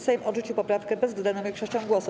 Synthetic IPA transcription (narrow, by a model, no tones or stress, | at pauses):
sɛjmʔɔʐut͡ɕiwpɔpɾafkɛbɛzɡ̪d̪anɔ̃vʲjʲeɛkʂɔɕt͡ɕɔ̃w̃ɡwɔsu